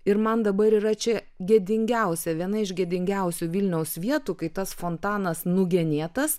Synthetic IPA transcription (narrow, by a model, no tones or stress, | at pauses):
ɪɾmɐnd̪ɐbɐɾiːɾɐt͡ʃʲɛ | ɡʲed̪ʲɪŋʲɡʲɛʊsʲɛʋʲiɛnɐɪʒɡʲeɛd̪ʲɪŋʲɡʲɛʊsʲuːʋʲɪlʲnʲɛʊsʋʲiɛt̪uːkɐɪt̪ɐsfoːnt̪ɑːnɐsnʊɡʲɛnʲeːt̪ɐs